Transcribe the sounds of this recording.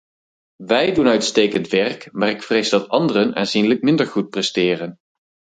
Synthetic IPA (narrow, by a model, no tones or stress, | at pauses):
ʋɛjdunœɥtstejkəntʋɛrkmaːrɪkfrejzdɑtɑndərəna̰ːnzinlək̚mɪndəɹχut̚prɛstɪːrən